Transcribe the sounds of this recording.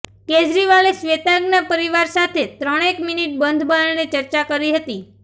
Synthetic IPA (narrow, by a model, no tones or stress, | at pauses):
ked͡ʒɾiʋalesʋet̪ãɡnapəɾiʋaɾsat̪ʰet̪ɾəɽ̃ekminiʈ̚bənd̪ʱbʱənnet͡ʃəɾt͡ʃakəɾiɦət̪i